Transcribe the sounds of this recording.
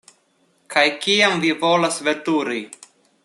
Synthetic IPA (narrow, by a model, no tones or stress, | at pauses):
kʰajkiamvivolasvet̪uɾi